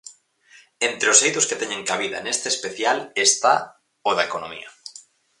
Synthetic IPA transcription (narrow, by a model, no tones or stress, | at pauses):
ẽnt̪ɾeosejt̪ʊsket̪eɲẽŋkaβiða̰nest̪eːspeθjalest̪a̰ | oðaekonõmḭɐ